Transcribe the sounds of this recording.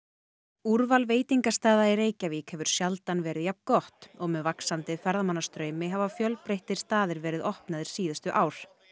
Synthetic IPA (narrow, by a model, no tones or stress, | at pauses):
uɾvalveːjt̪iŋkast̪aːðaiɾeːjcaviːkhɛvʏɾ̥sjalt̪anvɛːɾɪðjap̚nkɔht̪ɔɣmɛðvaksant̪ɪfɛɾðamanːast̪ɾœːɥmɪɦavafjœlpɾejht̪ɪɾ̥st̪aːðɪɾvɛːɾɪðɔhpnaðɪɾ̥siːðʏst̪ʏʔaːwɾ̥